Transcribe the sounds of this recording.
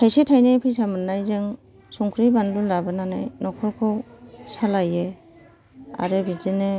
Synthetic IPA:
tʰajsitʰajnepʰijsamɯnːajzeŋ | suŋkʰɾibanlulabɯnanajnɔkʰɔɾkʰɔwsalaje | a̰ɾebizene

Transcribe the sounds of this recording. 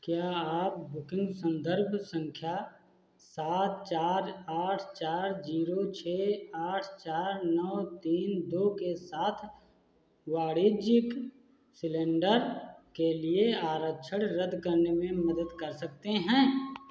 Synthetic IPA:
kjaːaːp̚bʊkɪ̃ŋɡsə̃nd̪əɾbʱsə̃ŋkʰja | saːt̪̚t͡ʃaːɾaːʈʰt͡ʃaːɾd͡ʒiːɾot͡ʃʰeːaːʈʰt͡ʃaːɾnɔːʋt̪iːnd̪oːkesaːt̪ʰ | waːɽid͡ʒɪk | sɪlẽːɳɖəɾkelieaːɾət͡ʃʰəɽɾəd̪ʱkəɾnemẽmɐd̪əd̪kəɾsɐk̚t̪eɦɛ̃ː

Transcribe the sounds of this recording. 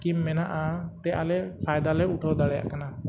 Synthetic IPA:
kimːɛnaʔat̪ɛʔa̰lɛpʰajd̪alɛuʈʰɔd̪aɽɛja̰ʔkana

